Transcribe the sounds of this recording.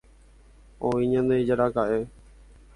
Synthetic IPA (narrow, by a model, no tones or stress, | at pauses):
õĩɲãnd̪ed͡ʒaɾakaʔe